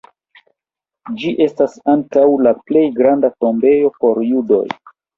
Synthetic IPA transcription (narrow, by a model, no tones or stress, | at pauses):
d͡ʒiʔe̞stasaŋkawlaple̞jɡɾandato̞mbe̞jo̞po̞ɾjudo̞̰j